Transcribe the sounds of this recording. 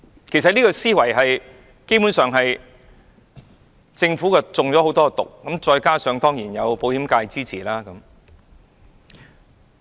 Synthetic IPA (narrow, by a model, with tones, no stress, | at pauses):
kʰe˨˩js̬ɐ˨t̚niː˥kɔː˧siː˥wɐ˨˩jɦɐ˨j | ke˥jpuː˨˥nsœː˨ŋɦɐ˨j | t͡sɪ˧ŋfuː˨˥kɐ˧t͡sʊ˨ŋt͡sɔː˨˥ho˨˧˥wt̪ɔː˥kːt̪ʊ̰˨k̚ːɐ˨˥mt͡ʃɔː˧jkaː˥sœː˨˧ŋt̪ɔː˥ŋjiː˨˩njɐ˨˧wpo˨˧whiː˨˥mkaː˧jt͡siː˥t͡sʰiː˨˩laː˥kɐ˨˦m